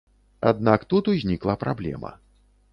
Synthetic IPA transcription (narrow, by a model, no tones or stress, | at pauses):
a̰d̪nakt̪ut̪uzʲnʲiklˠɐpɾablʲɛ̰mɐ̰